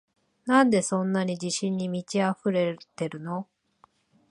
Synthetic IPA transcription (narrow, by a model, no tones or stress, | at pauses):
nãnd̪e̞sõ̞nːaɲ̟id͡ʑiɕĩɲ̟ːimʲit͡ɕiaɸɯ̟ɾe̞t̪e̞ɾɯ̟no̞